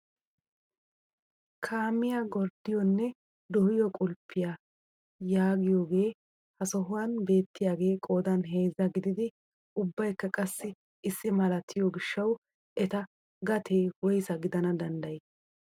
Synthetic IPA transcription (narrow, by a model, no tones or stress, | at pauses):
kʰaːmɪjaɡɔɾd̪ɪjɔnːɛ | d̪ɔhɪjɔkʼʊlpːɪja | jaːɡɪjo̞ːɡe̞ː | hɐsɔɦʊwɐnbe̞ːt̪ːɪjaːɡe̞ːkʼo̞ːd̪ɐnɦe̞ːzːɐɡɪd̪ɪd̪ɪ | ʊbːɐjkːɐkʼɐsːɪ | ɪsːɪmɐlɐt̪ʰːɪjɔɡɪʃːɐw | ʔɛt̪ɐ | ɡɐt̪ʰe̞ːwɔjsɐɡɪd̪ɐnɐd̪ɐnd̪ɐje